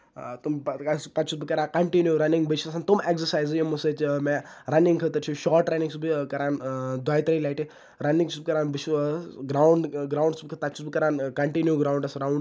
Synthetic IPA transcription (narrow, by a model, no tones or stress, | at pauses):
t̪umspɐt͡ʃʰusbikɐɾaːkɐɳʈinjuɾɐnĩŋɡbət͡ʃʰuɐsaːnt̪umeksəɾsaːjzjemusət͡ʃmɛɾɐniŋɡkʰɐt̪ɐɾt͡ʃʰiʃɔːɾʈɾɐnĩŋsubikɐɾaːnd̪aːjt̪ɾɐlajʈi | ɾɐniŋsubikɐɾaːnbit͡ʃʰuɡɾauɳɖɡɾawɳɖsubikʰət̪ɐt͡ʃʰusbikɐɾaːnkɐɳʈinjuɡɾaːwɳɖɐsɾawɳɖ